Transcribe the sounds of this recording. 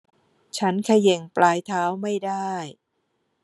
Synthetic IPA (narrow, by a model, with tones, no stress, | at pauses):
t͡ɕʰa˦˥nkʰa˧je˨˩ŋplaː˧jt̪ʰaː˦˥wma˥˩jdaː˥˩j